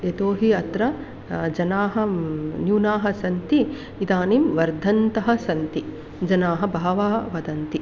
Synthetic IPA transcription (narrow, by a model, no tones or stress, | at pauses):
et̪oːɦiɐt̪ɾɐ | d͡ʒɐnaːɦɐ̆njuːnaːɦɐ̆sɐnt̪iː | id̪aːnimʋɐɾd̪ʱɐnt̪ɐɦɐ̆sɐnt̪i | d͡ʒɐnaːɦɐ̆bʱaːʋaːʋɐd̪ɐnt̪i